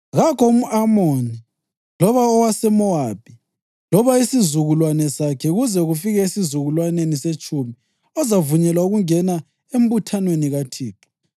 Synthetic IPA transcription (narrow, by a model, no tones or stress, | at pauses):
ɣakʰɔum̩amoni | lɔβaɔwasɛmɔab̥̚ʱi | lɔβaisizuɣulwanɛsakʰɛɣuzɛɣufiɣɛisizuɣulwaneniset͡ʃʼumi | ɔzavuɲɛlwauɣuŋɛna | em̩butʰanweniɣatʰiːpʰɔ̥